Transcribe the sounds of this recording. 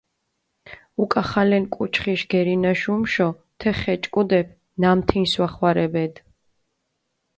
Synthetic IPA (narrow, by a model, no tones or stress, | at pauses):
ukʼaχalɛnkʼut͡ʃʰχiʃɡ̥ɛɾinaʃumʃɔ | t̪ʰɛχɛt͡ʃʼkʼud̪ɛp̚ʰ | namt̪ʰinswaχwaɾɛbɛd̪